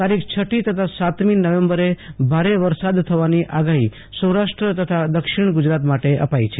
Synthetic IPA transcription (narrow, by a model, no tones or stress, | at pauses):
t̪aɾikʰt͡ʃʰəʈit̪ət̪ʰasat̪minəʋẽmbəɾebʱaɾeʋəɾsad̪t̪ʰəʋaniʔaɡaɦi | sə̃wɾaʃʈɾət̪ət̪ʰad̪əkʃɪɳ̃ɡʊd͡ʒɾat̪maʈeʔə̰pait͡ʃʰe